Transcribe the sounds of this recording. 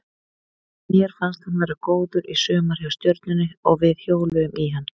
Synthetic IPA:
mjɛɾ̥fanst̪hanvaːɾakoːwðʏɾisœːmaɾ̥jawst̪jœɾt̪̚nʏnːɪɔɣvɪðhjoːwlʏʏmʔiɦanː

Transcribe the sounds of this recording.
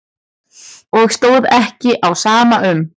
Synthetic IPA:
ɔɣst̪oːwðɛhcɪʔawsaːmaʔʏm

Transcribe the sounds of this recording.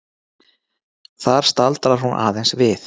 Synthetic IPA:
θaɾ̥st̪alt̪ɾaɾ̥hunʔa̰ːðejnsvɪθ

